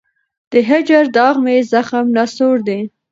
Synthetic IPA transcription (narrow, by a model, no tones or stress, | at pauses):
d̪̥əɦad͡ʒaɾd̪ɑɣmezaxamnɑsoɾd̪e